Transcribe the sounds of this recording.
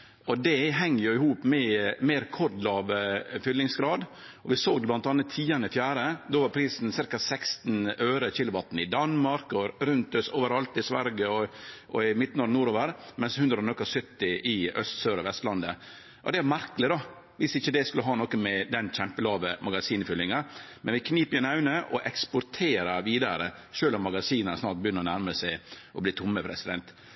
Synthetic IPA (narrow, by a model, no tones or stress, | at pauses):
ɔd̪ɛɦɛŋːəjʊɪhuːpmɛmɛːɾɛkʰɔɾd̪lɑːʋfʏlːɪŋsɡɾɑːd̪ | ɔʋɪsoːɡ̪blɑnt̪ɑnːət̪ʰːiːɑnəɪfjæːɾəd̪oːʋɑɾpʰɾiːsn̩sɪɾkɑsɛkst̪n̩øːɾəçɪlʊbɑt̪ːn̩ɪd̪ɑnmɑɾkɔɾʉnt̪øsoːʋəɾɑlt̪ɪsʋæɾɡəɔʔɔɪmɪt̪ːnɔɾnuːɾoːʋəɾmɛnshʉnd̪ɾəɾɔnɔkːɑsʏt̪ːɪʔɪœ̰st̪søːɾɔʋɛst̪lɑnd̪ə | ʔɔd̪ɛæɾmæɾklɪd̪ɑ | ʋɪsɪçːəd̪ɛskʉlːəɦɑːnɔkːəmɛd̪ɛnçɛmpəlɑːʋəmɑɡɑsiːnfʏlːɪŋɑmɛnʋɪkʰniːpəɾɪnɑʉnəʔɔʔɛkspʊɾt̪ʰeːɾɑʋiːd̪ɑɾəʃøːlɔmːɑɡɑsiːnənsnɑːɾʈ̪̚bəjʏnːəɾɔnæɾməsæɪʔɔbliːt̪ʰʊmːəpʰɾɛsɪd̪ɛnt̪